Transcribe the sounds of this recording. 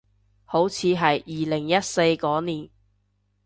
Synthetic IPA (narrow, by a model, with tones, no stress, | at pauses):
ho˨˥wt͡sʰiː˨˧ɦɐ˨jiː˨lɪ˨˩ŋjɐ˥t̚se˧jkɔː˨˥niː˨˩n